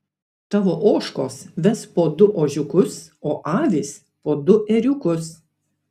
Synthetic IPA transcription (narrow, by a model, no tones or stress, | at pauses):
t̪ɑːʋoːʔoːʃkoːsʋʲɛspoːd̪ʊʔoːʒʲʊkʊsoːʔɑːʋʲiːs | poːd̪ʊʔɛɾʲʊkʊs